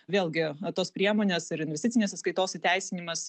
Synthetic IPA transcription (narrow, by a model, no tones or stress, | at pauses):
ʋʲeːlˠɡʲɪt̪oːspʲɾʲiɛmoːnʲeːsɪɾɪnʲʋʲɛsʲt̪ʲɪt͡s̪ʲɪnʲeːsɐtskɐɪt̪oːsɪt̪ʲæɪsʲɪnʲɪmɐs